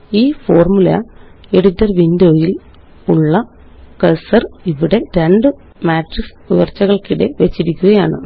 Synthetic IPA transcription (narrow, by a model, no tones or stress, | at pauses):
iːfo̞ːrmulɐ̰eɽitːɐrʋind̪oːjil | uɭːɐ | kɐsɐriʋiɽe̞ɾe̞ɳɖɨ | maːʈris | ujɐrt͡ɕːɐɣɐɭkiɽe̞̰ʋet͡ɕːiɾikʲːuɣɐjaːɳɨ̰